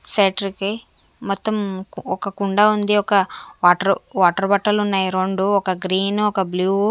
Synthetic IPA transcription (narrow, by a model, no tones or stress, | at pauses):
seːʈɐɾiki | mɔt̪ːɐmɔkɐkuɳɖɐund̪iɔkɐʋaːʈɐɾuʋaːʈɐɾbɐʈːɐlunːaːjiɾoɳɖuɔkɐɡɾiːnɔkɐbluː